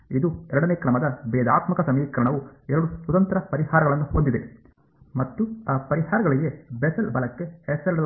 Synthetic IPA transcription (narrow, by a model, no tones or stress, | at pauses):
id̪uɛɾɐɽɐneːkɾɐmɐd̪ɐbɛːd̪aːt̪mɐkɐsɐmiːkɐɾɐɳɐʋuɛɾɐɽuswɐt̪ɐnt̪ɐɾɐpɐɾihaːɾɐɡɐɭɐnːuhond̪id̪e̞ | mɐt̪ːuaːpɐɾiɦaːɾɐɡɐɭiɡe̞besɐlbɐlɐkːe̞hɛsɐɾɽɐ